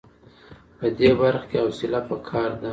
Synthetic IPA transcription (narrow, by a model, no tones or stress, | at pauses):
pəd̪ebaɾxkeawsɪlapəkʰɑɾd̪a